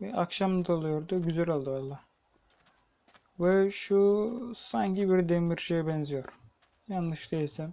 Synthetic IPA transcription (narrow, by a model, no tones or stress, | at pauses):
akʃamad̪olˠɯjoɾd̪ioɟyzɛlʲalˠd̪ɯjolˠːa | vɛʃusaɲcibiɾd̪emiɾʃejɛbɛnzijo̞ɾ̥ | janlˠɯʃd̪ejisɛm